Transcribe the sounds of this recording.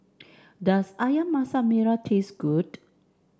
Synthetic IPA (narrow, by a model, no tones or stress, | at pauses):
dasajamːasameɾatʰesɡud